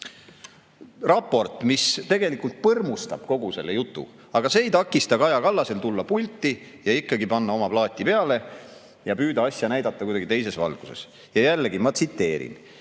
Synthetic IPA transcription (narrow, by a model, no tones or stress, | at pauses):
rɑpːo̞rt̪ːˑmist̪e̞ɡ̥e̞likult̪̚pɤrmust̪ɑb̥ko̞ɡ̥use̞lːejut̪ˑːṵ | ɑɡ̥ɑse̞ːjt̪ɑkːˑist̪ɑkɑjɑkɑlːɑse̞lt̪ulːɑpulʲt̪ːi | jɑikːɑɡipɑnːɑo̞mɑplɑːt̪ʲːˑipe̞ɑle̞ | jɑpyːd̪ɑɑsʲjɑnæjd̪ɑt̪ːˑɑkujd̪ɑɡit̪e̞js̬e̞svɑ̰lɡ̥use̞̰s | jɑjælːeɡimɑt̪sit̪ːe̞ːɾḭn